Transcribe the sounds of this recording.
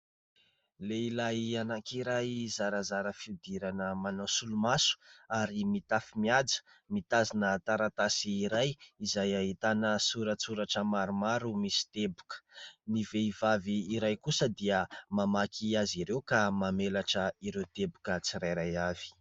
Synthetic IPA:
leilajanakiɾajzaɾazaɾəfid̪iɾanəmanasulumasu̥aɾimit̪afimiad͡zə̥ | mit̪azinət̪aɾat̪asiːɾajizajaɦit̪anəsuɾət͡suɾaʈ͡ʂəmaɾumaɾumisi̥t̪ebukə̥niveivaviːɾajkusəd̪iəmamakʰiaziɾewkamamelaʈ͡ʂəiɾewt̪ebukət͡siɾajɾajavi̥

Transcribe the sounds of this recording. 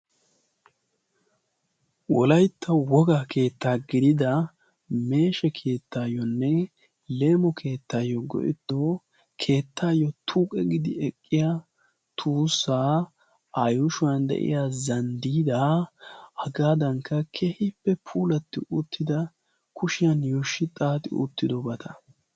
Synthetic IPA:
wɔlɐjt̪ːɐwɔɡaːkʰe̞ːt̪ʰːaːɡɪd̪ɪd̪ɐ | me̞ːʃɛkʰe̞ːt̪ːaːjɔnːɛ | le̞ːmɔkʰe̞ːt̪ːaːjːɔɡɔ̰ʔɪ̰t̪ːo | kʰe̞ːt̪ːaːjːɔt̪ʰuːkʼɛɡɪd̪ɪɛkʼːɪja | t̪ʰuːsːaː | ɐjʊʃʊwɐnd̪ɛ̰ʔɪ̰jaːzɐnd̪iːd̪a | ɐɡaːd̪ɐŋkːɐkʰehɪpːɛpʰuːlɐt̪ːɪʔʊt̪ʰːɪd̪ɐ | kʊʃɪjɐnjoːʃːɪt̪ʼaːt̪ɪ̰ʔʊ̰t̪ːɪd̪ɔbɐt̪ʰɐ

